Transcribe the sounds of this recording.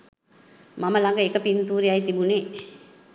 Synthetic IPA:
maməlaŋɡəekəpint̪uːɾiajt̪ibune

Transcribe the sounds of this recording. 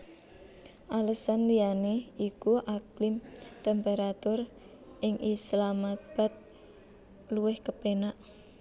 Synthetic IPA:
ʔaləsanlianeikuʔaklɪmt̪ɛmpeɾat̪ʊr | ʔɪŋʔislamat̪̚b̥a̤t̪̚ | luwɪhkəpenaʔ

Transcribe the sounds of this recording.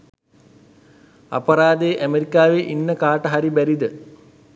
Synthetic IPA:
ɐ̰pɐɾaːd̪eʔæmeɾikaːʋeʔinːəkaːʈəɦɐɾibæɾid̪ə

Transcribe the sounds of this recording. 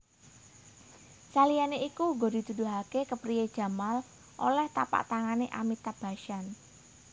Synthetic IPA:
salijaneikuŋɡod̥i̤t̪ud̪ṳɦakekəpɾijed̥ʒ̥ä̤mal | ʔo̰lɛht̪a̰pa̰ʔt̪aŋaneʔamit̪ab̥a̤ʃan

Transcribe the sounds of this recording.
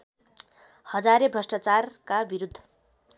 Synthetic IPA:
hʌd͡zaɾebrʌsʈat͡sarkabiɾud̪ʱːʌ̥

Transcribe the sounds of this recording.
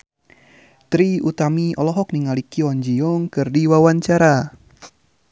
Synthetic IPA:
t̪ɾiut̪amiʔɔlɔɦɔk̚niŋalikiɔɲd͡ʒiɔŋkɨrdiwawaɲt͡ʃaɾa

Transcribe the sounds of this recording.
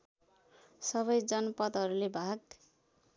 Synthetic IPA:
sʌβʌjd͡zʌnpʌd̪ɦʌɾulebʱaɡ

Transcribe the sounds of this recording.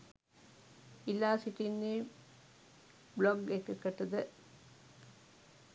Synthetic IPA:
ilːaːsiʈinːiː | bloɡekːəkəʈɐd̪ə

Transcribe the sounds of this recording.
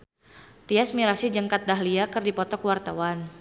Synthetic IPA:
t̪iasmiɾasid͡ʒəŋkat̪̚daɦliakɨrdipɔt̪ɔkwart̪awan

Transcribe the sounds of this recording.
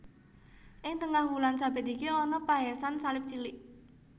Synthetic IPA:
ʔɪŋt̪əŋahwulansabɛ̤t̪ikeɔnɔpaɦɛsansalɪp̚t͡ʃilɪʔ

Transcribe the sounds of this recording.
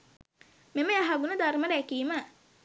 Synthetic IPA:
meməjaɦaɡunəd̪arməɾækiːmə

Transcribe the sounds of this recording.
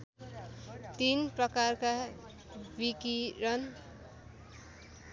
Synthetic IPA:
t̪inprʌkarka | bikirʌn

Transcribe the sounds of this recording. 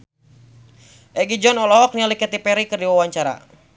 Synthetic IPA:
ʔɛɡid͡ʒɔnɔlɔɦɔk̚nialikɛt̪ipɛɾikɨrdiwawaɲt͡ʃaɾa̰

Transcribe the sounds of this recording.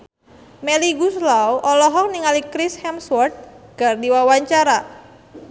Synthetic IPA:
meliɡuslawʔɔlɔɦɔk̚niŋalikɾishɛmswɔrt̪̚ɡ̥a̤rdiwawaɲt͡ʃaɾa

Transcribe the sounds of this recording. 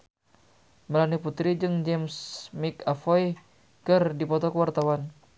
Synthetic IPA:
məlaniput̪ɾid͡ʒɨŋd͡ʒɛmsmikafɔj | kɨrdipɔt̪ɔkəwart̪awan

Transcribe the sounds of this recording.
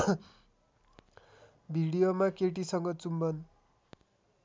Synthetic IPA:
bʱiɽijomakeʈisʌŋɡʌt͡sumbʌn

